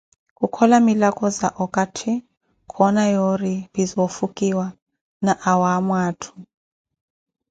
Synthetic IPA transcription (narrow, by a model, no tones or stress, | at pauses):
kʼukʰɔlamilakʰʼɔzaʔɔkʼatʰi | kʰɔnajoribizɔfukʼiwa | naʔawamwaːtʰu̥